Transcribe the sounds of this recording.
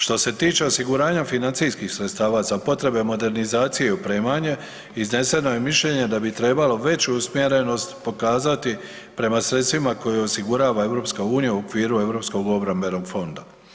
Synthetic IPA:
ʃt̪o̞se̞t̪iːt͡ʃe̞o̞siɡuɾaːɲafinantsiskixsɾet̪st̪aːʋazapo̞t̪ɾe̞be̞mo̞d̪e̞ɾnizaːt̪sije̞iupɾeːmaɲe̞ | izne̞se̞no̞je̞miʃʎe̞ɲe̞d̪abit̪ɾe̞ːbalo̞ʋe̞t͡ɕuusmje̞ɾe̞no̞st̪po̞kaːzat̪i | pɾe̞masɾet̪st̪ʋimako̞jeo̞siɡuɾaːʋae̞ʋɾo̞ːpskauːnijauo̞kʋiːɾue̞ʋɾo̞psko̞ɡo̞bɾambe̞no̞ɡfo̞nd̪a

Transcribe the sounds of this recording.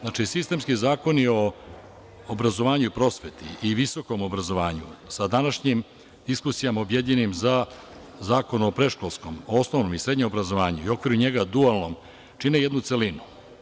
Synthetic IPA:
znat͡ʃisist̪e̞mskizaːko̞nio̞ː | bɾazo̞ʋaːɲupɾo̞sʋet̪ḭiʋiso̞ko̞mo̞bɾazo̞ʋaːɲṵsad̪anaʃɲim | d̪iskusijamaobjed̪ʎenimza | zaːko̞nuopɾe̞ʃko̞lˠsko̞moo̞snoʋno̞misɾe̞d̪ɲemobɾazo̞ʋaːɲuio̞kʋiɾuɲe̞ɡad̪ualˠno̞m | t͡ʃineje̞d̪nut̪se̞linu

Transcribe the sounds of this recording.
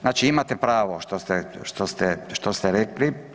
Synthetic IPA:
znaːt͡ʃiimat̪ɛpɾaːʋoʃt̪ost̪ɛʃt̪ost̪ɛʃt̪ost̪ɛɾekli

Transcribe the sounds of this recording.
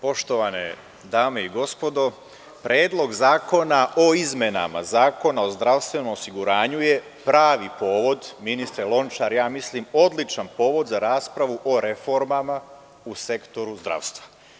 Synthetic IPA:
po̞ʃt̪o̞ʋanḛ | d̪aːme̞iɡo̞spod̪o̞ | pɾeːd̪lˠo̞ɡzaːko̞naʔo̞izme̞na̰ma̰zaːko̞nao̞zd̪ɾaʋst̪ʋe̞no̞mosiɡuɾaːɲuje̞ | pɾaːʋipo̞ːʋo̞d̪minist̪ɾelˠo̞nt͡ʃaɾjaːmislimo̞d̪lit͡ʃanpo̞ːʋo̞d̪zaɾaːspɾaʋuʔo̞ɾe̞fo̞ɾmama | use̞kt̪o̞ɾuzd̪ɾa̰ʋst̪ʋḁ

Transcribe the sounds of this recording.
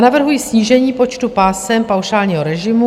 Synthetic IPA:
navr̩ɦujisɲiːʒɛɲiːpo̞t͡ʃt̪upaːsɛmpawʃaːlɲiːɦoɾɛʒɪmu

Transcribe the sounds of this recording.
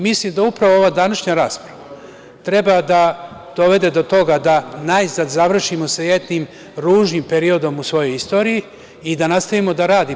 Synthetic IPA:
mislimd̪aupɾaʋooʋad̪anaʃɲaɾaːspɾaʋa | t̪ɾe̞bad̪ad̪̥o̞ʋe̞d̪e̞d̪o̞t̪o̞ɡad̪anaizad̪zaʋr̩ʃimo̞sejed̪nim | ɾuːʒnimpe̞ɾio̞d̪o̞musʋo̞jo̞jist̪o̞ɾijiː | d̪anast̪aʋimo̞d̪aɾaːd̪i

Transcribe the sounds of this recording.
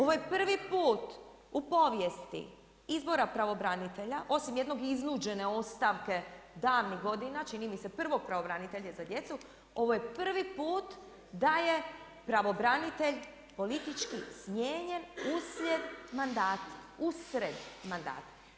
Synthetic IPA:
o̞ʋojepr̩ʋipuːt̪ | upo̞ʋjest̪ḭ | izbo̞ɾapɾaʋo̞bɾanit̪e̞ʎaʔo̞simjed̪no̞ɡiznuːd͡ʒe̞ne̞o̞st̪aʋke̞d̪aːʋniɦɡo̞d̪inat͡ʃinimise̞pr̩ʋo̞ɡ̚pɾaʋo̞bɾanit̪eʎʲezad̪je̞t̪su | o̞ʋojepr̩ʋipuːt̪ | d̪aje̞ | pɾaʋo̞bɾanit̪e̞ʎ | po̞lit̪it͡ʃkismjeːɲe̞nusʎed̪mand̪aːt̪usɾed̪mand̪a̰ːt̪

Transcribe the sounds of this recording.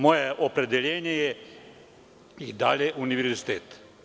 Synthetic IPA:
moːjeʔopɾed̪eʎeːɲejɛ | id̪a̰ːʎeʔuniʋeɾɾzit̪eːt̪

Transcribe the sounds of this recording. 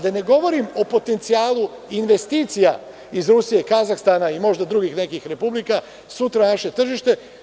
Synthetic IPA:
d̪ane̞ɡo̞ʋo̞ɾimo̞po̞t̪e̞nt̪siaːlu | inʋe̞st̪iːt̪sija | izɾusijekazaxst̪aːnaimo̞ʒd̪ad̪ɾuɡixne̞kixɾe̞publika | sut̪ɾanaʃe̞t̪r̩ʒiʃt̪e̞

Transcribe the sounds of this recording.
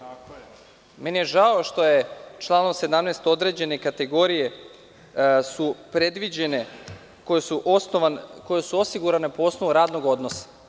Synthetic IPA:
me̞nije̞ʒao̞ʃt̪o̞je̞t͡ʃlˠaːnomse̞d̪amneːst̪o̞d̪ɾe̞d͡ʑe̞ne̞kat̪e̞ɡo̞ɾije̞ | supɾed̪ʋid͡ʑene | kojesuʔsnoʋakojesuo̞siɡuɾanepoo̞snoʋuɾaːd̪noɡo̞d̪no̞sḁ

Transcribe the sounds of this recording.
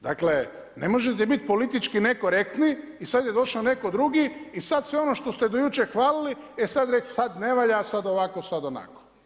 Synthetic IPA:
d̪akle | nemo̞ʒet̪̬ebit̪̚po̞lit̪it͡ʃkineko̞ɾek̚t̪ni | isad̪je̞d̪o̞ʃaone̞ko̞d̪ɾuɡiisad̪sʋeono̞ʃt̪o̞st̪ed̪ojut͡ʃexʋaːliliesad̪ɾe̞ksad̪ne̞ʋaʎasad̪o̞ʋako̞sad̪o̞na̰ko̥

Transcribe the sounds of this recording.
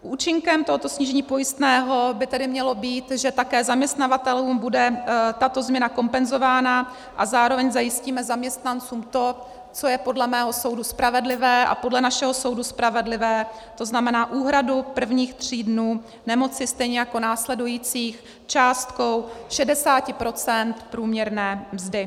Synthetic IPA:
ʔuːt͡ʃɪŋkɛmt̪o̞ɦot̪o̞sɲiːʒɛɲiːpo̞jɪst̪nɛːɦo̞bɪt̪ɛdɪmɲɛlo̞biːt̪ʒɛt̪akɛːzamɲɛst̪navat̪ɛluːmbudɛt̪at̪o̞zmɲɛnako̞mpɛnzo̞vaːna | ʔazaːɾo̞vɛɲzajɪsciːmɛzamɲɛst̪nant͡suːmt̪o̞ | t͡so̞jɛpo̞dlɛmɛːɦo̞so̞wduspɾavɛdlɪvɛːʔa̰po̞dlɛnaʃɛɦo̞so̞wduspɾavɛdlɪvɛː | t̪o̞znamɛnaːʔuːɦɾadupr̩vɲiːxt̪r̝̥iːdnuː | nɛmo̞t͡sɪst̪ɛjɲɛjako̞naːslɛdujiːt͡siːx | t͡ʃaːst̪ko̞wʃɛdɛsaːcɪpɾo̞t͡sɛnt̪pɾuːmɲɛɾnɛːmzdɪ

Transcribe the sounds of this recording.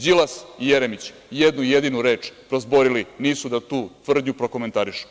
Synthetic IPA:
d͡ʑilasijeɾemit͡ɕ | jed̪nuijed̪inuɾeːt͡ʂpɾozboɾiliniːsud̪at̪uːt̪ʋr̩d̪ɲupɾo̞ko̞ment̪aɾiʃu̥

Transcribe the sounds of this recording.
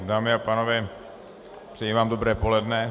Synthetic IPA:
daːmɪapaːnovɛ | pr̝̥ɛjivaːmdobɾɛːpolɛdnɛ

